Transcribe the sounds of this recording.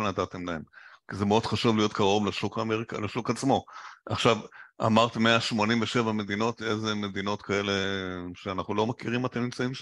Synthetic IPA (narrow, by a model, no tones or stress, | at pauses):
nat̪at̪e̞mlae̞mkizemeo̞d̥̪χaʃuvlijo̞t̪kaʁo̞vlaʃukameʁikalaʃukat͡smo̞a̰χʃava̰maʁt̪meaʃmo̞nimveʃe̞vame̞d̪ino̞t̪ezeme̞d̪ino̞t̪kʰae̞le̞ʃeanaχnulo̞makiʁimat̪amnimt͡saimʃ